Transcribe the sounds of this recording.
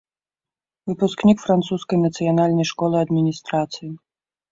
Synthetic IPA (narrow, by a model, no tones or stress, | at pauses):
vɨpusknʲikfɾant̪suskɐjnɐt̪sɨjanalʲnɐjʂkɔlˠɨɐd̪mʲinʲist̪ɾat̪sɨji